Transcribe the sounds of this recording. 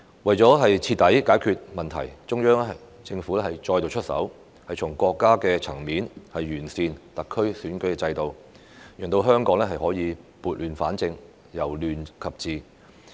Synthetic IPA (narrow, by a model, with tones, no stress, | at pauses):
wɐ˨˩jt͡sɔː˨˥ɦɐ˨jt͡sʰiː˧t̚t̪ːɐ˨˥jkaː˨˥jkʰyː˨t̚mɐ˨nt̪ʰɐ˨˩jt͡ʃʊ˥ŋjœː˥ŋ˥ɐ˨ | t͡sɪ˧ŋfuː˨˥lɛː˥hɐ˨jt͡ʃɔː˧jt̪o˨˧wt͡ʃʰɵ˥t̚sɐ̰˨˥w | hɐ˨jt͡ʃʰʊ˨˩ŋkʷɔː˧kːaː˥kɛː˧t͡sʰɐ˨˩ŋmiː˨˥nhɐ˨jːyː˨˩nsiː˨˧nt̪ɐ˨kʰːɵ˥ɥsyː˨˥nkɵ˨˥ɥkɛː˧t͡sɐ˧jt̪o˨˧w | jœː˨˩ŋt̪o˧wɦœː˥ŋkɔː˨˥ŋlɛː˥ɦɐ˨jhɔː˨˥jiː˨˧puː˨˩t̚lyː˨˩nfaː˨˥nt͡sɪ˧ŋ | jɐ˨˩wlyː˨nkʰɐ˨p̚t͡siː˨